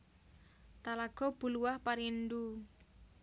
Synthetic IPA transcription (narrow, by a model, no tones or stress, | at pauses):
t̪alaɡ̥ɔ̤b̥ṳluwahpaɾindu